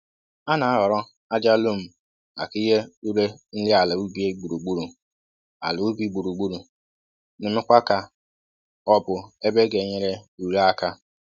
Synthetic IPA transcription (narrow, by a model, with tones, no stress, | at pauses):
a˦na˨a˦ɦɔ˨ɾɔ˦ | a˦d͡ʒa˦lu˦m̩˨ | a̰˨ki˦ɦe˦u˦ɾe˦n̩˦lɪ˦a˨lɪ˨u˦bi˦e˦ɡ͡bu˨ɾu˨ɡ͡bu˦ɾu˨ | a̰˨lʊ˨u˦bi˦ɡ͡bu˨ɾu˨ɡ͡bu˦ɾu˨ | nɪ˨mɪ˦kʷa˦ka˦ | ɔ˦bʊ˨e˦be˦ɡe˨ɲe˨ɾe˦u˨ɾe˦a˦ka˦